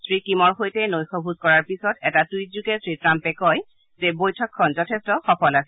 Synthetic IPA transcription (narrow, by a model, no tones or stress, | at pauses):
sɹikimɔɹxojtɛnojxɔbʱuzkɔɹaɹpisɔtɛtatujzukɛsɹitɹampɛkɔj | zɛbojtʰɔkʰːɔnzɔtʰestɔxɔpɔlasɛ